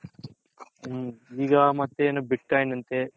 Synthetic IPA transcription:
iːɡamɐt̪ːenɐbiʈ̚ʈɐjnɐnt̪eː

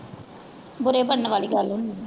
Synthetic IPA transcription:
bʊɾeːbəɽnʋaːliːɡəlɦʊnd̪i

